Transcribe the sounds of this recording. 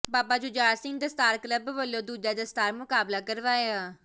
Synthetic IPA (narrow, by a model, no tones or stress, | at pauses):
baːpaːd͡ʒʊd͡ʒaːɾsɪ̃ŋɡ̚d̪əst̪aːɾkləbʋəlːõːd̪uːd͡ʒaːd̪əst̪aːɾmʊkaːblaːkəɾʋaːeaː